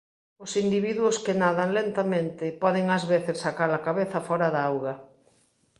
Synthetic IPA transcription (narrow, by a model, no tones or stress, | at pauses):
ʊsind̪iβiðwʊskɪnaðɐŋlent̪amẽnt̪ɪpɔðɪŋɐzβeθɪsːakaɾlakaβeθɐfɔɾɐðaawɣɐ